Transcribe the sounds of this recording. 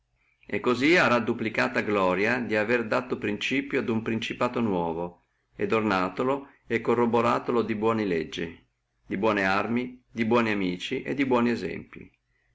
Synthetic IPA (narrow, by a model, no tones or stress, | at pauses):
ekːoziaɾad̪ːuplikaːt̪aɡlɔːɾjad̪iaverd̪aːt̪opɾint͡ʃiːpjoad̪umpɾint͡ʃipaːt̪onwɔːvo | ed̪ornaːt̪olo | ɛkːorːoboɾaːt̪olod̪ibwɔːnilɛd͡ʒːi | d̪ibwɔːnearmid̪ibwɔːniamiːt͡ʃiʔḛd̪ibwɔːniɛzɛ̰mpḭ